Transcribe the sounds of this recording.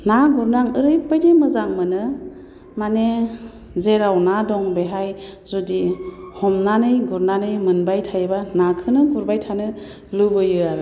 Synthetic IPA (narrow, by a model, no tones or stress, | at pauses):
naɡuɾnaŋɯɾɯjpɯjdemɯzaŋmɯnɯ | mane | zeɾawnadɔŋbeɦajzudihɔmnanɯjɡuɾnanɯjmɯnbajtʰajebanakʰɯnɯɡuɾbajtʰanɯ | lɯbɯjɯaɾ